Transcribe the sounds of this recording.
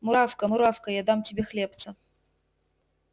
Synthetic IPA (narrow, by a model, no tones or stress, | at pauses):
mʊɾafkəmʊɾafkəjad̪amtʲɪbʲexlʲept̪sə